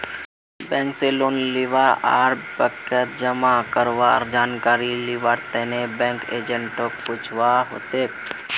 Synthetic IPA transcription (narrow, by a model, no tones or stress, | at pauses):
bɛ̃ŋkseloːnliʋaa̰ːɾbəkət̪̚d͡ʒəmakəɾʋa̰ɾd͡ʒaːnkaːɾiliʋaɽt̪enebɛ̃ŋkḛːd͡ʒə̃ɳʈokpʊt͡ʃʰʋaɦo̰ːt̪e